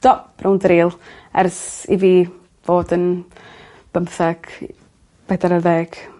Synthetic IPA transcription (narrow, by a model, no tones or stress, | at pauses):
d̥ɔb̥rʊwndɾiːlˠɛ̰rsḭviː | v̥oːdən | b̥əmθɛɡ̥ | b̥ɛdaɾərðeːɡ̥